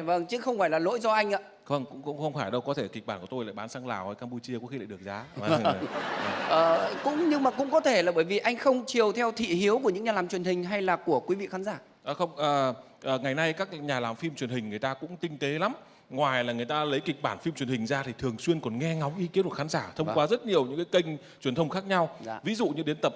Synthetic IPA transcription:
və˧ŋt͡ɕɨ˨˦˥xə˧wŋ͡mfaː˧˩jlaː˨˩lo̰˧˥jzɔ˧ʔa˧jŋ̟ʔaː˧˦ | və˧ŋkʊ̰˧˥ŋ͡mkʊ̰˧˥ŋ͡mxə˧wŋ͡mfaː˧˩jɗə˧wkɔ˨˦t̪ʰe˧˩ki˨˩k̚ɓaː˧˩nku˧˩to˧jla̰ː˧˨jɓaː˨˦nsaː˧ŋla̰ː˨˩whəː˨˧˦jkaː˧mpu˧t͡ɕi˧əkṵ˧˥xi˧la̰ː˧˨ɗɨ˨˩ək̚zaː˨˦˧ | ʔəː˨˩kʊ̰˧˥ŋ͡mɲɨ˧ŋmaː˨˩kʊ̰˧˥ŋ͡mkɔ˨˦t̪ʰe˧˩laː˨˩ɓəː˧˩jvi˨˩ʔa˧jŋ̟xə˧wŋ͡mt͡ɕi˨˩əwt̪ʰɛ˧wt̪ʰḭ˧˨ɦi˨˦əwku˧˩ɲɨ̰˧˥ŋɲaː˨˩laː˨˩mt͡ɕwi˨˩ənhï˨˩ŋ̟ɦa˧jlaː˨˩ku˧˩əkwi˨˦vḭ˧˨xaː˨˦nzaː˧˩ | ʔəː˨˩xə˧wŋ͡mʔəː˨˩ | ʔəː˨˩ŋa˨˩jna˧jkaː˦˥k̚ɲaː˨˩laː˨˩mfi˧mt͡ɕwi˨˩ənhï˨˩ŋ̟ŋɨ˨˩əjt̪aː˧kʊ̰˧˥ŋ͡mt̪ï˧ŋ̟t̪e˨˦la˨˦m | ŋwaː˨˩jlaː˨˩ŋɨ˨˩əjt̪aː˧lə˨˦jkï˨˩k̟̚ɓaː˧˩nfi˧mt͡ɕwənhï˨˩ŋ̟zaː˧t̪ʰi˨˩t̪ʰɨ˨˩əŋswi˧ənkɔ˨˩nŋɛ˧ŋa˨˦wŋ͡mʔi˨˧ki˨˦ntku˨˩xaː˨˦nzaː˧˩t̪ʰə˧wŋ͡mkwaː˨˦zə˦˥t̚ɲi˨˩əwɲɨ̰˧˥ŋkaː˨˦jkə˧ŋ̟ | t͡ɕwənt̪ʰə˧wŋ͡mxaː˦˥k̚ɲa˧wvḭ˧˦zṵ˧˨ɲɨ̰˧ɗe˨˦nt̪ə˨˩p̚

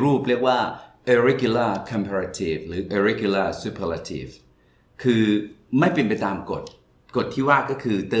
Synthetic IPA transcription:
ɾuː˥˩p̚ɾi˥˩ək̚waː˥˩ʔə˧ɾe˦˥kju˧laː˥˩kʰɔ˧mpʰaː˧ɾa˧t̪ʰi˨˩fɾɯː˨˦ʔə˧ɾe˦˥kju˧laː˥˩su˧pʰa˧la˧t̪ʰḭː˨˩f | kʰɯː˧ma˥˩jpe˧npa˧jt̪aː˧mko˨˩t̪̚ | ko˨˩t̪ʰːiː˥˩waː˥˩kːɔː˥˩kʰɯː˧t̪ɤː˧

